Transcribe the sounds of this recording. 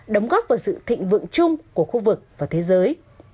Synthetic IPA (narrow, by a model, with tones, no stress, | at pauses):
ɗə˨˦wŋ͡mɣɔ˦˥p̚vaː˨˩wsɨ̰˧˨t̪ʰḭ˧˨ŋ̟vɨ̰˧˨əŋt͡ɕʊ˧ŋ͡mku˧˩əxu˧vɨ˨˩k̚vaː˨˩t̪ʰe˨˦zəː˨˦j